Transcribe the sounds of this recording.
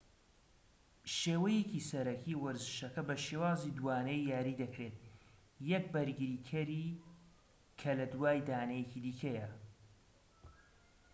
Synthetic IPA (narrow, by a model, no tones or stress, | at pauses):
ʃeːwɐjecisɐɾɐkʰiwɐɾzɨʃɐkɐbɐʃewaːzid̪waːnejjaːɾiːd̪ɐkɾeːt̪̚ | jɛk̚bɐɾɡɨɾiːkʰɐɾi | kʰɐlɐd̪waːjd̪aːnɐjecid̪iːkʰɐjɐ